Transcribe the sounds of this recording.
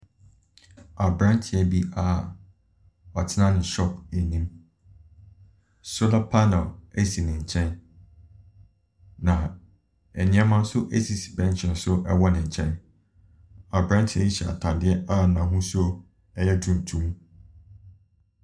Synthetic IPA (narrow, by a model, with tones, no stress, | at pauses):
a˨bɾã˦n˦tʰɪ˨ɛ˦bi˦a˦˨ | ɔ˨tʰɪ˦nã˦nɪ̃˨ɕɔ˦pe˨nĩ˦m | so˦la˦pʰa˦nɛ˨le˦si˨nɪ̃˨ɲ̩˨t͡ɕʰɛ̃˦n | nã˨ | ɛ˨nɪ̃˦ɛ˦mã˦n̩˦sʊ˦ʔe˦si˨si˨bɛ̃˦n˦t͡ɕʰɛ̃˨n˦sʊ˦ʔɛ˦wɔ˦nɪ̃˨ɲ̩˨t͡ɕʰɛ̃˦n | a˨bɾã˦ntʰɪ˨ɛ˦ji˦ɕɛ˨a̰˨tʰã˨dɪ˦ɛ˦a˦nã˨ɦʊ̃˦sʊ˦ | ɛ˦jɛ˦dũ˨n˨tʰũ˦m